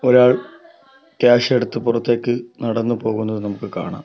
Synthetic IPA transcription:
o̞ɾaːɭ | kjaːʂeɽut̪ːɨpurɐt̪ːe̞ːkːɨnɐɽɐnːɨpo̞ːɣunːɐðɨnɐmukːɨka̰ːɳa̰ːm

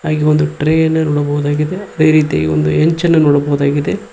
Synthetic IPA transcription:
aːɡiond̪uʈɾeːjɐnːɐnɔːɽɐbɐɣud̪aːɡid̪eɐd̪eːɾiːt̪̬ija̰ːɡḭo̰nd̪ueɲt͡ʃɐnːɐnɔːɽɐbɐɣud̪aːɡid̪e

